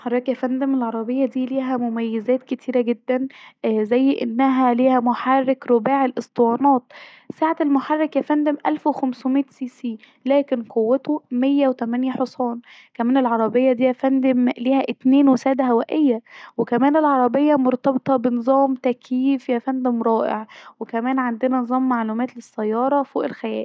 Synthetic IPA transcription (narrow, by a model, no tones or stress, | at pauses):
ħɑrˤːɑkjæfænd̪æmelʕɑɾˤɑbejːɑd̪iːliːɦæmomæjːezæːt̪ket̪ʰiːɾæɡed̪ːænzæjːʔḛnːæɦæliːhæmoħɑrːekɾobæːʕelʔesˤt̪ˤewɑːnɑːt̪̚ | saːʕaelmoħɑrˤːekjæfænd̪æmʔælfwexæmsmet̪siːsiː | læːkenqʰowːet̪omejːæwet̪æmænjæħosˤɑːn | kæmæːnelʕɑɾˤɑbejːɑd̪iːjæfænd̪emliːhæʔet̪neːnwesæːd̪æɦæwæʔejːæwekæmæːnelʕɑɾˤɑbejːɑmoɾt̪ɑbet̪ˤɑbenɨzˤɑːmt̪ækjiːfjæfænd̪emɾˤɑːʔḛʕwekæmæːnʕand̪enænezˤɑːmːaʕluːmæːt̪lesːæjːɑːɾˤɑfoːʔelxæjæ̰ːl